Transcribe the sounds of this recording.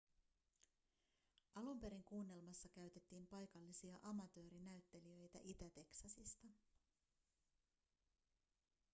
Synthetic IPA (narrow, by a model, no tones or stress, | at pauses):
ʔɑlumpe̞ɾiŋkuːnːe̞lmɑsːɑkæɥt̪e̞t̪ːiːmpɑjkɑlːisiɑʔɑmɑt̪ø̞ːɾinæɥt̪ːe̞liø̞jt̪æ̰ʔit̪æt̪e̞ksɑsist̪ɑ